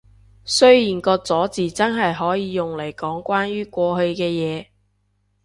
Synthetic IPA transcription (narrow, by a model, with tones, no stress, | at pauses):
sɵ˥ɥjiː˨˩nkɔː˧k̚t͡sɔː˨˥t͡siː˨t͡sɐ˥nɦɐ˨jɦɔː˨˥jiː˨˧jʊ˨˩ŋle˨˩jkɔː˨˥ŋkʷaː˥nɥyː˥kʷɔː˧hɵ˧ɥkɛː˧jɛː˨˧